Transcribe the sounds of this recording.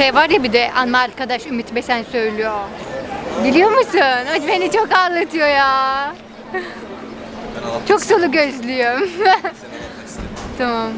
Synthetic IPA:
ejvaɾjabid̪ɛʔa̰nmalʲkʰad̪aʃymit̪besænsø̞jlʲyjo | ɟelʲijo̞musunad͡ʒbe̞nit͡ʃʰokalˠːat̪ʰɯjo̞jaː | t͡ʃʰoksolˠuɡøzlʲyjøm | t̪ʰamam

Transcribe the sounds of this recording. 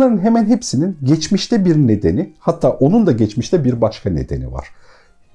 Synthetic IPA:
aɾɯnɦemænɦepsininɟɛt͡ʃmiʃt̪ʰɛbiɾne̞d̪e̞nihat̪ʰːaːʔo̞nund̪aɟɛt͡ʃmiʃt̪ʰɛbiɾbaʃkʰanḛd̪e̞̰nḭva̰ɾ̥

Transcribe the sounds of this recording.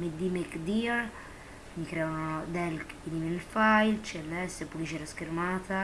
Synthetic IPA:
med̪imɛkd̪iɾ | mikɾɛaanɔd̪ɛlk | iniminfajlt͡ʃɛlːɛsepulit͡ʃɛɾaskeɾmaːt̪a

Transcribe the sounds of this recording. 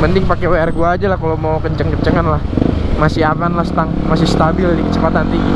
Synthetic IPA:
pənt̪ɪŋpakeoɛrɡuaːd͡ʒalahkalomawkəɲt͡ʃəŋkəɲt͡ʃəŋanlahmasɪamanlahst̪aŋ | masɪst̪abɪlnikət͡ʃəpat̪ant̪i

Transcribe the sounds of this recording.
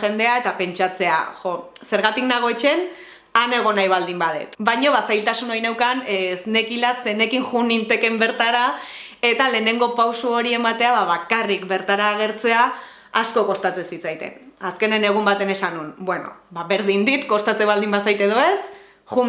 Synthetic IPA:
xe̞nd̪e̞ae̞t̪ape̞nt͡ʃat͡se̞a̰xose̞ɾɣat̪iknaɣ̞o̞t͡ʃe̞n | ane̞ɣ̞o̞najβ̞ald̪imbaðe̞̰t̪bajɲoβasajlt̪asuno̞jne̞wkansne̞kilase̞ne̞kiŋʝunint̪e̞ke̞mbe̞ɾt̪aɾa | e̞t̪ale̞ːne̞ŋɡo̞pawsuoɾie̞mat̪e̞aβaβakarikbe̞ɾt̪aɾaːɣ̞e̞ɾt͡se̞aː | sko̞ko̞st̪at͡sesit͡sajt̪e̞̰naske̞ne̞ne̞ɣ̞umbat̪e̞ne̞sanunbwe̞no̞̰baβe̞ɾðind̪it̪ko̞st̪at͡seβald̪imbasajt̪e̞ð̞o̞e̞s | ʝu

